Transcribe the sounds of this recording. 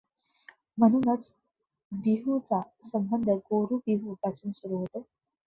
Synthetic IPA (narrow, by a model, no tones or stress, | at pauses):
m̤əñunət͡s | biɦut͡sasəmbənd̪ʱəɡoːɾubiɦubasunsuɾuɦot̪e